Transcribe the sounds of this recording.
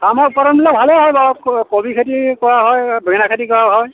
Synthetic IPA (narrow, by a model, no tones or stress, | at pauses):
kamɔpɔɾɔnblabʱalɛɦɔjbɔkkobikʰatikɔɹaɦɔjbɹɛnakʰatikɔɹaɦɔj